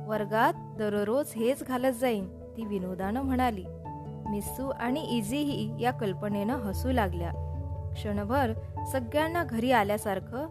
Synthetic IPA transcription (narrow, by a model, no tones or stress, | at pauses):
ʋəɾɡat̪̚d̪əɾəɾod͡zɦet͡sɡʱalət̪̚d͡zaiːn | t̪iːʋinod̪ʱanəm̤əɽ̃aliː | misuːʔaɽ̃iʔid͡ziɦijakəlpəɳenəɦəsuːlaɡlja̰kʂəɳ̃bʱəɾsəɡjanːaɡʱəɾiːaljasaɾkʰəː